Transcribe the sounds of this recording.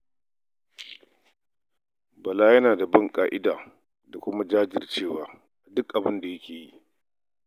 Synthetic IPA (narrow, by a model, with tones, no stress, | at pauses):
bɐ˨laː˦jɐ˦naː˨da˨bɐ˦˨ŋkʼaː˦ʔɪ˦daː˨ | da˨kʷʊ˦ma˦d͡ʒaː˦d͡ʒɪ̰˨rt͡ʃeː˦˨waː˦ | ʔa˨dʊ˦kʔa˨bɪ˦nda˨jɐ˦kʲeː˨ji˦ʔ